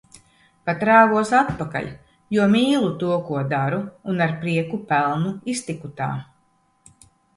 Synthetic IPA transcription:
pat̪ɾaːɡuɔsat̪paka̰ʎʲ | juɔmiːlˠut̪uɔkuɔd̪aɾuːnaɾpɾiɛkupælˠnuist̪ikut̪a̰ː

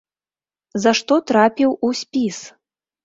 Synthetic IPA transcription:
zaʂt̪ɔt̪ɾapʲiwusʲpʲis

